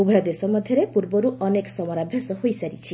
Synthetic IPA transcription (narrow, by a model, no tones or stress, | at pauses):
ubʱɔjɔd̪esɔmɔd̪ʱjɔɾepuɾbɔɾuʔɔneksɔmɔɾabʱjasɔhojsaɾit͡ʃʰi